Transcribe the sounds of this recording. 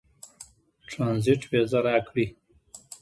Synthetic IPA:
ʈɾɑnziʈwezaɾakɽi

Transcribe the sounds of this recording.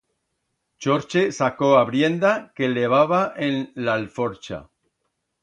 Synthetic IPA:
t͡ʃoɾt͡ʃesako̞aβɾje̞nd̪ake̞le̞β̞aβ̞aʔenlalfoɾt͡ʃa̰

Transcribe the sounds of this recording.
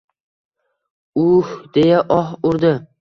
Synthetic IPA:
ʊhd̪̥e̞jaʔɒhʊɾd̪ɪ

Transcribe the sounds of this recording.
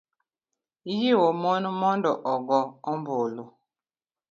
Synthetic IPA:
ijiwɔmɔnmɔndɔʔɔɡɔɔmbolo

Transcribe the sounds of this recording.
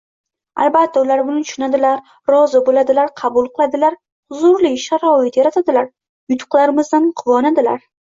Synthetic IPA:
a̰lˠbat̪ʰːaʊlaɾbʊnɪʃʊnad̪ɪlaɾ | ɾɒzɪbolad̪ɪlaɾqʰɑbʊlˠqʰɨlˠad̪ɪlaɾ | zʊɾlɪʃaɾɒɪt̪jaɾat̪ʰad̪ɪlaɾ | jʊt̪ʰʊ̥qlˠaɾɪmɪzd̪anqʰʊvɒnad̪ɪla̰ɾ

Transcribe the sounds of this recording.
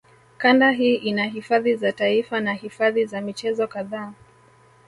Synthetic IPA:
kandaɦiːʔinaɦifaðizataifanahifaðizamit͡ʃɛzɔkaðaː

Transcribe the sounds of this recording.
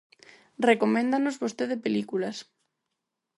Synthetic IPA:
rekomẽnd̪anozβost̪eðepelikulas

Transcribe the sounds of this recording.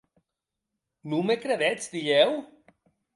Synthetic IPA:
numekɾeðɛt͡sd̪iʎɛw

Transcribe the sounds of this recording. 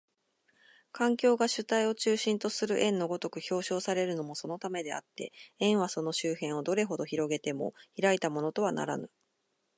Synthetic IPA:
kãŋkʲo̞ːɡaɕɨt̪aio̞t͡ɕɨːɕĩnt̪o̞sɨɾɯ̟ʔẽ̞nːo̞ɡo̞t̪o̞kɯ̟çʲo̞ːɕo̞ːsaɾe̞ɾɯ̟no̞mo̞so̞no̞t̪ame̞d̪e̞a̰t̪ːe̞̰ẽ̞ɰ̃βaso̞no̞ɕɨːhẽ̞ɰ̃o̞d̪o̞ɾe̞ɦo̞d̪o̞çiɾo̞ɡe̞t̪e̞mo̞̰çiɾait̪amo̞no̞t̪o̞βana̰ɾa̰nɯ

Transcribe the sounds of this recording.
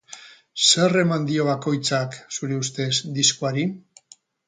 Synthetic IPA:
se̞re̞mand̪io̞βako̞jt͡saksuɾe̞ust̪e̞zd̪iskoaɾi

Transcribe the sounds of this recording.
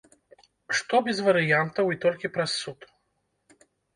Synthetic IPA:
ʂt̪ɔbʲɛzvɐɾɨjant̪ɐwit̪ɔlʲkʲipɾɐsːut̪

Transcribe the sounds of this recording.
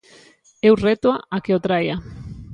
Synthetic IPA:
ewret̪waakeot̪ɾaja

